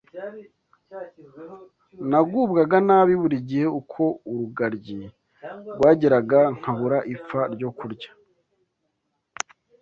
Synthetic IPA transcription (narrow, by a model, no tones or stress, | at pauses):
naɡuːbɡaɡanaβiβuɾiɟijeukʰo̞uɾuɡaɾɟi | ɾɡwaːɟiɾaɡaŋ̥haβuɾaʔifaɾɟo̞kuɾɟa